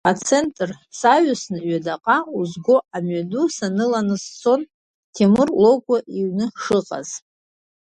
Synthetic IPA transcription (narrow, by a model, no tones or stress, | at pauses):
at͡sʰe̞ntʼr | saɥasnɨɥadaqʼauzɡo̞amɥadusanɨlanɨst͡sʰo̞n | tʰemɨrlo̞ɡʷʼaʔiɥnɨʂɨqʼa̰z̥